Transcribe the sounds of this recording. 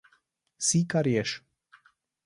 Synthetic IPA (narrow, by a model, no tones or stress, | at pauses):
sikaɾjeʃ